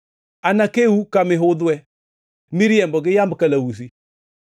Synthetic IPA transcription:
anakewukamɪɦʊðʊɛ | miɾijɛmbɔɡɪjambkalawus̬i

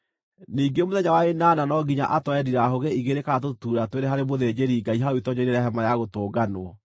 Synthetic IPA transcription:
niːɡemoðɛɲawaenaːnanɔɡiɲa̰ʔatwɛdiɾaɦoɣeiɣeɾekatotuːɾatweɾɛɦaɾemoðed͡ʑeɾiːɡaiɦaoitɔɲɛɾeɾaɦɛmajaɣotoːɡanwɔ

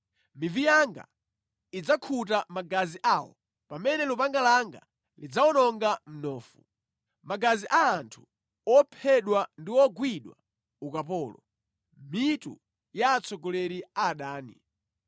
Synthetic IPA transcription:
mivijaŋɡa̰ | id͡zakʰut̬amaɡaziʔawɔ̰ | pamɛnɛlupaŋɡalaŋɡa̰ | lid͡zawɔnɔŋɡam̩nɔːfu | maɡaziʔaːntʰu̥ | ɔpʰɛɗwandiwɔɡwiɗwa | ukapɔːlɔ | mitṵ | jaːt͡sɔɡɔlɛɾiaːɗaːnḭ

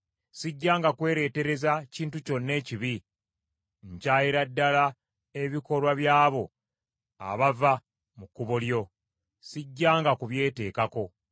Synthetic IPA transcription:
siɟːaːŋɡakwe̞ːɾe̞ːte̞ɾe̞zaciːntuco̞nːe̞ːciβi | ɲcaːjiɾadːala | e̞βiko̞lwaβjaːβo̞ | a̰βava | mukːuβoljo̞ | siɟːaːŋɡakuβje̞ːte̞ːkako̞

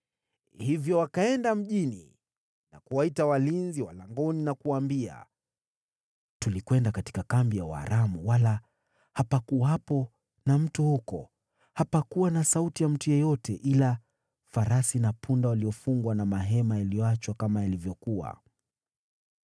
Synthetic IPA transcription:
hivjɔwakaɛndam̩ʄini | na̰kuwaitawalinziwalaŋɡɔninakuwambia̰ | tulikwɛndakati̥kakambijawha̰ɾʔamuwala | hapakuwapɔ | nam̩tuhukɔ | hapakuwanasautijam̩tujɛjɔtɛʔila | faɾasinapʰundawaliɔfuŋɡwanamaɦɛmajalijɔat͡ʃwakamajalivjɔkuwa̰

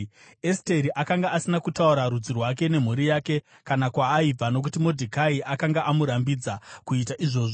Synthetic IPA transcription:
este̞ɾiʔakaŋɡaasinakutauɾaɾud͡zirwake̞ne̞m̤uɾijaːke̞ | kanakwaːib͡vano̞k̬utimo̞dʱikaiʔakaŋɡaʔamuɾambid͡zakuitaʔiʐo̞ːʐo

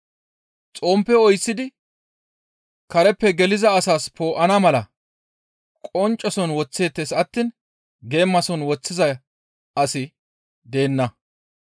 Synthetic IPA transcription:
t͡sʼo̞ːmpːɛɔjsːɪd̪ɪ | kɐɾɛpːɛɡɛlɪzɐːsaːspo̞ːʔɐnamɐlɐ | kʼɔnt͡ʃʼːɔsɔnwɔt͡sːe̞ːt̪ːeːsɐt̪ːiːn | ɡe̞ːmːɐsɔnwɔt͡sːɪzɐj | ɐsɪ | d̪e̞ːnːɐ

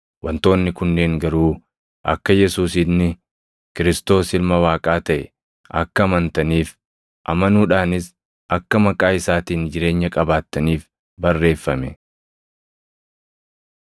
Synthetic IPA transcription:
wɐnt̪o̞ːnːɪkʊnːe̞ːŋɡɐɾuː | ʔɐkːɐjɛsuːsɪnːɪ | kɪɾɪst̪o̞ːsɪlmɐwaːkʼaːt̪ɐʔɛ | ʔɐ̰kːɐːmɐnt̪ɐniːf | ʔɐ̰mɐnuːᶑaːnɪs | ʔɐkːɐmɐkʼaːɪsaːt̪iːnd͡ʒɪɾe̞ːɲːɐkʼɐbaːt̪ːɐniːf | bɐrːe̞ːfːɐmɛ

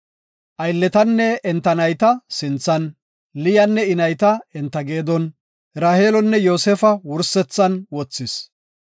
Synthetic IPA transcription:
ʔɐjlːɛt̪ɐnːɛɛnt̪ːɐnɐjt̪ɐsɪnt͡sːɐn | lɪjɐnːɛɪnɐjt̪ɐɛnt̪ːɐɡe̞ːd̪ɔn | ɾaːheːlɔnːɛjo̞ːsefɐwʊɾsɛt͡sːɐnwɔt͡sːɪs

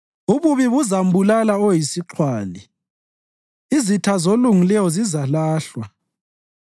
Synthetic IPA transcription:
uβuβiβuzambulalaojisiǁʰwaːli | izitʰazoluŋilɛjɔzizalaːɬwa

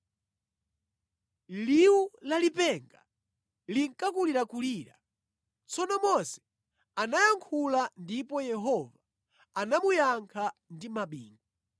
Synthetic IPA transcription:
liulalipɛŋɡa | liŋ̩kakuliɾakuliɾa̰ | t͡sɔnɔmɔsɛ̥ | anajaŋkʰulandipɔjɛɦɔvaː | namujaŋkʰandimaɓiːŋɡɔ

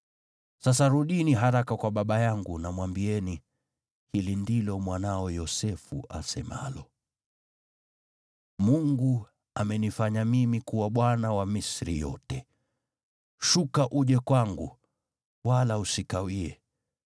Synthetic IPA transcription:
sasaɾuɗiniɦaɾakakwaɓaɓajaŋɡunamwambiɛni | hilindilɔmwanaɔjɔsɛfṵʔasɛma̰lɔ | muŋɡu | amɛnifaɲamimikuwaɓwanawamisɾḭjɔ̰tɛ | ʃukaʔuʄɛkwaŋɡu | walausikawiɛ

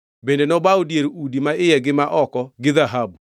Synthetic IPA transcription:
bendenɔbaodjeɾudimaɪjɛɡɪmaʔɔkɔɡɪðaɦab

